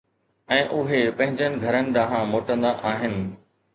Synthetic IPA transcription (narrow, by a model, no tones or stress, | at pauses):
ɛ̃ːʔʊɦepɐ̃ɦɪ̃ɲd͡ʑənɪ̆ɡʱɐɾənɪ̆ɗãːɦãmoːʈə̃nd̪aʔaːɦɪnɪ̆